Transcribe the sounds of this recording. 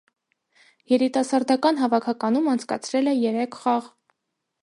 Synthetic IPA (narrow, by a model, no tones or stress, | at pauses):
jɛɾit̪ɑsɑɾd̪ɑkɑn̪ɦɑvɑkʰɑkɑnumɑnt͡sʰkɑ̰t͡sʰɾɛlɛjɛɾɛkʰχɑʁ